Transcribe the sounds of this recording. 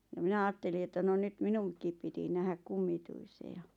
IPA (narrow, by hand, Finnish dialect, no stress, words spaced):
jɑ mĭnæ ɑːtːeli etːæ no nyt minuŋkˑiˑp piti næhæk kumːituise jɑ